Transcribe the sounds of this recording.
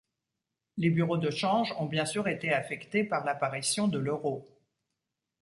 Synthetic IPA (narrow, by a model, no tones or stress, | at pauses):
lebyʁod̪əʃɑ̃ʒɔ̃bjɛ̃syʁet̪eafɛkt̪epaʁlapaʁisjɔ̃d̪əløʁo